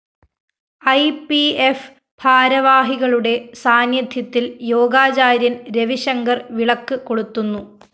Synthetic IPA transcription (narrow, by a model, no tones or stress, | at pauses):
ɐjpief | bʱaːɾɐʋaːɦiɣɐɭuɽe̞saːnjɐd̪ʱjɐt̪ːiljo̞ːɡaːt͡ɕaːɾjɐnɾeʋiɕɐŋɡɐrʋiɭɐkːɨko̞ɽut̪ːunːu